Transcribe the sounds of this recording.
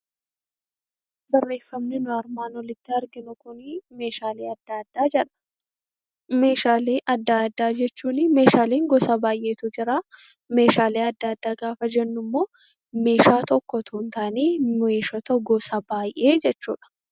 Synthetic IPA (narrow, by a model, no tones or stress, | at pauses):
bɐrːe̞ːfːɐmnɪnʊɐɾmaːnwɔlɪt̪ːɪɐɾɡɪnʊkʊnɪme̞ːʃaːleːɐd̪ad̪aːɛᶑɐ̥ | meːʃaːleːʔɐd̪ːad̪ːaːd͡ʒɛt͡ʃːuːnɪme̞ːʃaːleːŋɡɔsaːbaːjʔe̞ːt̪ʊd͡ʒɪɾaː | me̞ːʃaːleːɐd̪ːɐːd̪ːaːɡaːfɐd͡ʒɛnːʊmːo̞ː | me̞ːʃaːt̪ɔkːɔt̪ʰʊnt̪aːneːmeːʃɔt̪ɐɡɔsabaːjʔe̞ːd͡ʒɛt͡ʃːuːᶑɐ̥